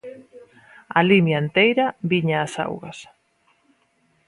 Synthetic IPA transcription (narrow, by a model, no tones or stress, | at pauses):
alimjaent̪ejɾaβiɲaːsa̰wɣas